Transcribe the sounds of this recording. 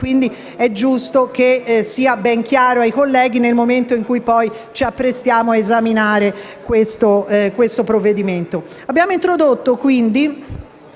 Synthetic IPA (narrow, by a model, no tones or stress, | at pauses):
kwind̪i | ɛd͡ʒːust̪okesiːabɛŋk̟jaːɾoajkolːɛːɡinelmoment̪oiŋkujpɔj | t͡ʃiapːɾest̪jaːmoaezaminaːɾe | kwest̪okwest̪opɾovːed̪iment̪o | abːjaːmoint̪ɾod̪ot̪ːokwind̪i